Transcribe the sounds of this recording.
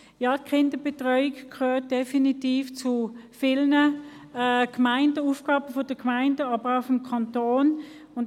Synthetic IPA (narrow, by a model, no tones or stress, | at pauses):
jɑːt̚kʰɪndəb̥etʁœʏikkʰøːt̚d̥ɛfinitiːft͡sufɪlnə | kmaɪndəuːfɡ̥ɑːb̥əfod̥əkmaɪndəɑːbəʁaʊfɔmkʰɑntoːn | ʊn